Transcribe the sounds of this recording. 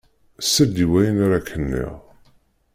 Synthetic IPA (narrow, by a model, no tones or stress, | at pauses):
sæd̪iwæjənaɾakʰːənːḭʁ